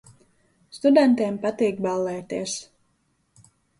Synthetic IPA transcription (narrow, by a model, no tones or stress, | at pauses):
st̪ud̪ɛnt̪eːmpat̪iːkbalˠːɛːt̪eɛs